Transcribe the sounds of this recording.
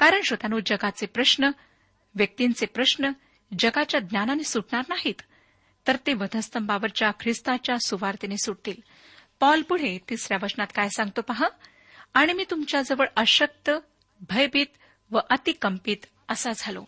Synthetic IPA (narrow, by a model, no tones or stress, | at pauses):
kaɾəɳɕot̪anuːd͡ʑəɡat͡sepɾəɕnə | ʋjək̚t̪int͡sepɾəɕnə | d͡ʑəɡat͡ɕjad̪nʲjananisuʈɳaɾnaɦiːt̪ː | əɾt̪eʋəd̪ʱəst̪ʰəmbaʋəɾt͡ɕjakʰɾist̪at͡ɕjasuʋaɾt̪inesuɽt̪iːl | pɔlpuɽ̤et̪isɾjaʋəsnat̪kajsãŋɡ̚t̪opaɦa | aɽ̃imiːt̪umt͡ɕjad͡zəʋəɭəɕək̚t̪ə | bʱəjbiːt̪ | ʋəʔət̪ikəmpiːt̪ | əsad͡zʱalo̰